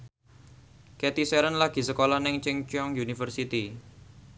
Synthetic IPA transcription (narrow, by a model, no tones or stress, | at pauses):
ket̪isɛɾənlaɡ̥i̤səkolahnɪŋt͡ʃɪŋt͡ʃɔŋjunifərsit̪i